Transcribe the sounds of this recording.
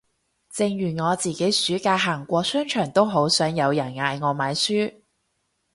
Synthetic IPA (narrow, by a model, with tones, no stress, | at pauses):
t͡sɪ˧ŋjyː˨˩nŋɔː˨˧t͡siː˨ke˨˥jsyː˨˥kaː˧ɦaː˨˩ŋkʷɔː˧sœː˥ŋt͡ʃʰœː˨˩ŋt̪o˥wɦo˨˥wsœː˨˥ŋjɐ˨˧wjɐ˨˩nŋaː˨˧jŋɔː˨˧maː˨˧jsyː˥